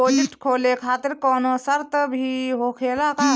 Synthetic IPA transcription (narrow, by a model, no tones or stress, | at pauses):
oːd͡ʒɪʈkʰoːlekʰaːt̪ɪɾkɔːnosəɾt̪bʱiɦokʰeːlaka